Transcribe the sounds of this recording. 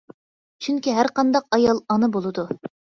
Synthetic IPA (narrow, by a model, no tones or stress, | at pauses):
t͡ʃʰyŋkʲiɦæɾqɑnd̪ɑq̚ɑjɑlˠɑnɨbolˠɨd̪u